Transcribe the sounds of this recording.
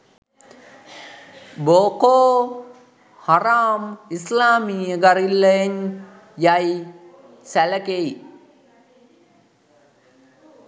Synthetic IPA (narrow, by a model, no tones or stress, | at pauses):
boːkoː | haɾaːmislaːmiːəɡaɾilːəjeɲ | jaj | sæləkei